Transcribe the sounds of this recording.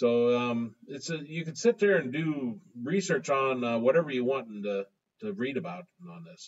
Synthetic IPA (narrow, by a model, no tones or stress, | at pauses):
soʊʌ̃mɪtsɨjɨkɨ̃dsɪt̪̚ðə˞ɨ̃ndɨɹisɜ˞t͡ʃn̩ʌwʌɾɛvə˞jɨwɑ̃nn̩tɨ | tʰɨɹiɾɨbaʊɾn̩n̩ðɪs